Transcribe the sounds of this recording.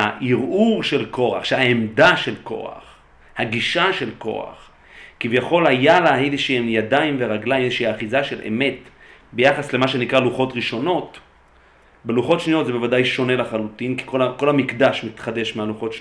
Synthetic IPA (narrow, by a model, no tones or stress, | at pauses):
aʔiʁuʁʃe̞lko̞aχʃehaemdaʃe̞lko̞̰a̰χ | haɡiʃaʃe̞lko̞̰a̰χ | kivjaχo̞lhajalaeleʃiemjadaimveʁaɡlajmeʃiaχizaʃe̞lʔḛme̞tbe̞jaχasle̞maʃe̞nikʁaluχo̞tʁiʃo̞no̞t | beluχo̞tʃnijotzebe̞vadajʃo̞ne̞laχalutinki̥kolako̞lamikdaʃmit̪χade̞ʃmealuχo̞tʃ